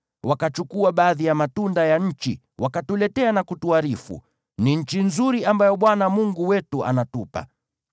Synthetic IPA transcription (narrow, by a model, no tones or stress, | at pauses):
wakat͡ʃukuaɓaːðijamatundajaɲ̩t͡ʃḭ | wakatulɛtɛanakutuaɾifṵ | niɲ̩t͡ʃinzuɾiambajɔɓwanamuŋɡuwɛtuʔa̰natupa̰